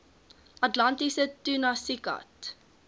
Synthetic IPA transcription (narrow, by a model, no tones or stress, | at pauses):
ʔɐtlɐntisətunasikɐ̰t